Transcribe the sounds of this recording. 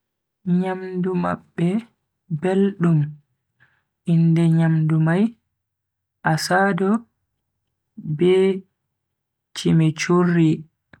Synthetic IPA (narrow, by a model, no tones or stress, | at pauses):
ɲamduma̰ɓːɛ | belɗum | indɛɲamdumaj | ʔasaːdɔ | bɛ | t͡ʃimɛt͡ʃurːi